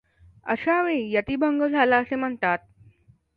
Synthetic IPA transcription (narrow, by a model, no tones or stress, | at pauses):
ə̰ɕaʋẽjət̪iːbʱəŋɡəd͡zʱalaəsem̤əɳt̪at̪̚